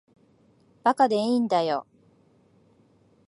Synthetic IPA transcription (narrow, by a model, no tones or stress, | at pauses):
b̥akad̪eĩːnd̪ajo̰